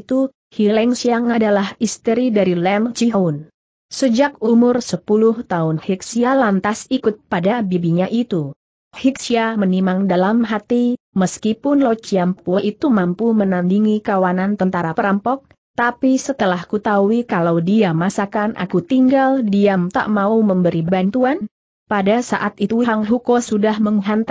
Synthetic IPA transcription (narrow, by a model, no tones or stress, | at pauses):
t̪u | hilɛŋsiaŋadalahist̪əɾidaɾilɛnt͡ʃiɦʊn | səd͡ʒakumʊrsəpulʊht̪aʊnhik̚sialant̪asikʊt̪̚padabibiɲaʔit̪u | hiksiamənimaŋdalamɦat̪i | məskipʊnlɔt͡ʃiampuʔit̪umampumənandiŋikawanant̪ənt̪aɾapəɾampɔk̚ | t̪apisət̪əlahkut̪auikalawdiamasakanʔa̰kut̪iŋɡaldiamt̪a̰ʔmauməmbəɾibbant̪uan | padasaʔat̪it̪uɦaŋɦukosudahməŋɦant̪a